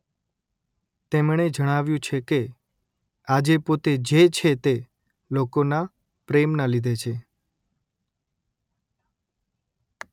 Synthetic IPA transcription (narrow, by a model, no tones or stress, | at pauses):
t̪emɳ̃ed͡ʒəɽ̃aʋjũt͡ʃʰeke | ad͡ʒepot̪ed͡ʒet͡ʃʰet̪e | lokona | pɾemnalid̪ʱet͡ʃʰe